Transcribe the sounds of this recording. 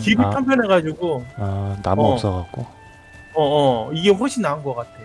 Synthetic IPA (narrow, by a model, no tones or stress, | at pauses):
t͡ɕibut͡ɕʰampʰjʌnɦeɡad͡ʑiɡoanamʌps͈ʌɡak̚k͈o | ʌːiɡe̞ɸoɕʰinːaunɡʌk͈atʰe̞o